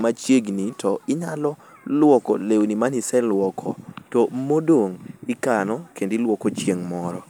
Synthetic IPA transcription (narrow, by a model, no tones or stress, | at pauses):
mat͡ʃjeɡnitɔɪɲalɔlwɔkɔ̰lewnimanisɛlwɔkʰɔtɔmodoŋɪkanɔkendilwɔkot͡ʃjeŋmɔɾɔ